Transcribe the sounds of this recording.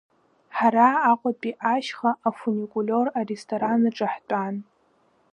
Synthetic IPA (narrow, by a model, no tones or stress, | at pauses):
ħaɾaːqʷʼapʼiʔaʃχaafunikʼulʲorarestʰʼoɾanɨʈ͡ʂʼaħtʼan